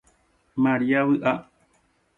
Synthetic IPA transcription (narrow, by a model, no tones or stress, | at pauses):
maɾiaβɨʔa